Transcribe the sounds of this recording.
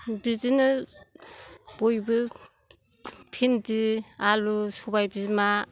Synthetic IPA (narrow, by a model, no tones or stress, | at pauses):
bizinɯ | b̥ojbɯ | pʰindialusubajbima